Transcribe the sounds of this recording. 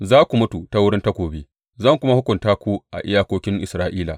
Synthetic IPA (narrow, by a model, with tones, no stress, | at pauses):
zaː˦kʷu˨mʊ˦tu˨ta˦wʊ˦ɽɪ˦nta˦kʷoː˨beː˦ | zɐ˦˨ŋkʷʊ˦ma˦hʊ˦kʷʊ˨ntaː˦kʷu˦ʔa̰˨ʔɪ˦jaː˦kʷoː˦kʲɪ˦ŋʔɪ̰˨sɾaː˦ʔiː˦la̰˨